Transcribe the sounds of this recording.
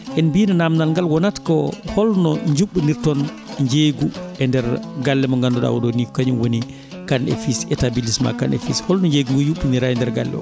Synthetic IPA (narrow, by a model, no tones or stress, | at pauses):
ʔɛnbinanamnalŋɡalwɔnatkɔhɔlnɔɲd͡ʒuɓːuniɾtɔn | ɲd͡ʒeɡuɛndɛɾɡalːɛmɔŋɡandɔɗa̰wdonikɔkaɲunwoni | kanḛfisɛtabilisma̰kanḛfishɔlnɔɲd͡ʒeɡuŋɡɔɲd͡ʒuɓːuniɾaɛndɛɾɡa̰lːɛ̰mɔ̰